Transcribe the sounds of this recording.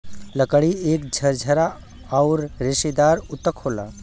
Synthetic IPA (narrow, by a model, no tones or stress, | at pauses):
ləkəɽieːkd͡ʒʱəɾd͡ʒʱəɾa | aʊɾɾeʃid̪aːɾʊt̪əkhoːla̰